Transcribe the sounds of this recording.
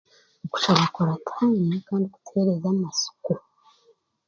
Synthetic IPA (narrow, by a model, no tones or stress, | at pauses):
oku̥ʃaβakoɾatʰaːnikaːndiku̥tʰeɾezamasu̥ku